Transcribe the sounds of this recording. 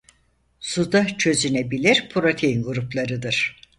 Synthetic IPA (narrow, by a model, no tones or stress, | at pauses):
sud̪at͡ʃʰø̞zynebilʲiɾpʰuɾo̞t̪ʰe̞jinɡuɾuplˠaɾɯd̪ɯɾ̥